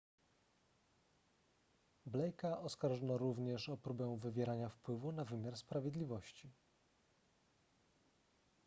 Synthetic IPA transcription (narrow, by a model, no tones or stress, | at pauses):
blɛjkaʔɔskaɾʐɔnɔɾuvɲɛʂɔpɾubɛw̃vɘvʲjɛɾaɲafpwɘvunavɘmʲjaɾspɾavʲjɛd̪lʲivɔɕt͡ɕi